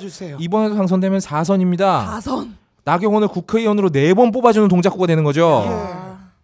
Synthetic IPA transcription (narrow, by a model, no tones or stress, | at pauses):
seibʌne̞dopʰaŋs̬ʰʌŋdwe̞mjʌnsʰasʰʌɲimɲidasʰʌn | naɡjʌŋʌnɯɭkukʰeiwʌnɯɾone̞bonp̬͈obad͡ʑunɯnt̬oŋd͡ʑak͈uɡadwenɯnɡʌd͡ʑo